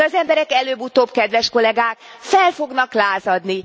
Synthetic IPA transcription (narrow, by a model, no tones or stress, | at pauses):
ɒzɛmbɛɾɛkɛløːbut̪oːbkɛd̪ʋɛʃko̞lɛɡaːkfɛlfo̞ɡnɒklaːzɒd̪ni